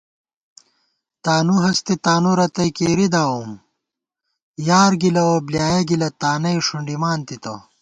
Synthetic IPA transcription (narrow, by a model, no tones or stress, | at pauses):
t̪aːnuɦɐst̪it̪aːnuɾɐt̪ɐjkeːɾid̪aːwum | jaːɾɡilɐwɐbljaːjɐɡilɐt̪aːnɐjʂuɳɖimaːnt̪it̪ɐ̰